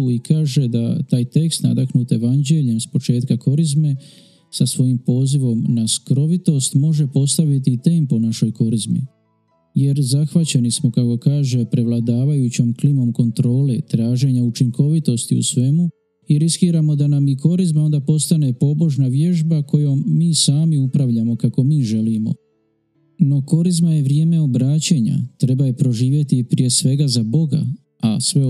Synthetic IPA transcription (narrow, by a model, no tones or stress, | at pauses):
uikaːʒe̞d̪at̪aːjt̪e̞kst̪na̰d̪aknuːt̪e̞ʋand͡ʑe̞ʎemspo̞t͡ʃe̞ːt̪kako̞ɾizme̞ | sasʋo̞jimpo̞ːziʋo̞mnaskɾo̞ʋit̪o̞st̪mo̞ʒe̞po̞st̪aʋit̪̬iːt̪e̞mponaʃo̞jko̞ɾizmḭ | je̞ɾzaxʋat͡ɕe̞nismo̞kako̞kaːʒe̞pɾe̞ʋlˠad̪aːʋajut͡ɕo̞mklimo̞mko̞nt̪ɾo̞ːle̞t̪ɾaːʒe̞ɲaut͡ʃiŋko̞ʋit̪o̞st̪iṵsʋe̞mu | iɾiskiːɾamo̞d̪anamiko̞ɾizmao̞nd̪apo̞st̪ane̞po̞bo̞ʒnaʋje̞ʒbako̞joːiːsaːmiupɾaʋʎamo̞kako̞miːʒe̞limo̞̰ | no̞ko̞ɾizmaje̞ʋɾje̞ːme̞o̞bɾaːt͡ɕeɲa̰t̪ɾe̞bajepɾo̞ʒiːʋje̞t̪ipɾije̞sʋe̞ɡazabo̞ɡa̰ | asʋe̞